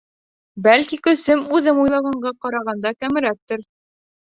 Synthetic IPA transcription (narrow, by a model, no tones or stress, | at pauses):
bælkikɵ̆sɘmʉðɘmujlˠɑwʁɑɴɢɑqɑɾɑʁɑnd̪ɑkæmɘ̆ɾæk̚t̪ɘɾ